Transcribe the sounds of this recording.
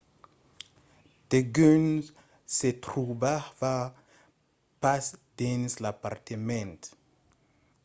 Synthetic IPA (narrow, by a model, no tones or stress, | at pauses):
d̥eɡøn | set̪ɾubava | pasd̪̥enslapartemɛnt